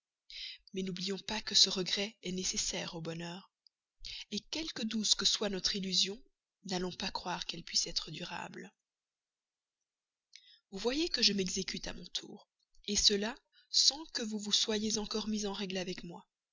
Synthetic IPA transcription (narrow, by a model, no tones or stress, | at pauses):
mɛnublijɔ̃pakəsəʁəɡʁɛɛnesesɛːʁobɔnœːʁ | ekʲɛlkəd̪uzkəswanɔt̪χilyzjɔ̃ | nalɔ̃pakχwaʁkɛlpɥisɛt̪χəd̪yʁa̰bl | vuvwajekəʒəmɛɡzekʲyt̪a̰mɔ̃t̪ʰṵːʁ | esəla | sɑ̃kəvuvuswajezɑ̃kɔʁmizɑ̃ʁɛɡlavɛkmwa